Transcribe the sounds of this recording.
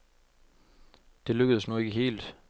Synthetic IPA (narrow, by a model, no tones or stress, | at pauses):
d̥e̝løɡ̥əð̞̩ˠəsnue̝ɡ̥əɦe̝̰ːld̥